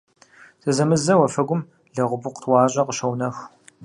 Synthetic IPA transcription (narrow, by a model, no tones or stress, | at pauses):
sɨzɐmɨzɐwɐfɐɡʷʊm | ɮɐʁʷʊbʊqʷtʰwɑːɕʼɐqəʃɐwnɐx